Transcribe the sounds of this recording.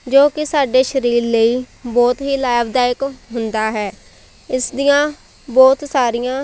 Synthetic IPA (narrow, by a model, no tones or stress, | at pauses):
d͡ʒoːkɪsaːɖeːʃəɾiːɾləiːbɔːt̪ɦiːlaːɪbd̪aːɪkɦʊnd̪aːɦɛː | ɪsd̪ijãː | bɔːt̪saːɾɪjãː